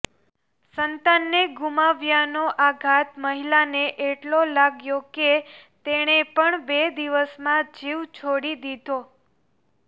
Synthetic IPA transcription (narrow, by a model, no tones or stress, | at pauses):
sənt̪anːeɡumaʋjanoʔaɡʱat̪məɦilaneʔeʈlolaɡjoket̪eɽ̃epəɳbed̪iʋəsmãd͡ʒiʋt͡ʃʰoɽid̪id̪ʱo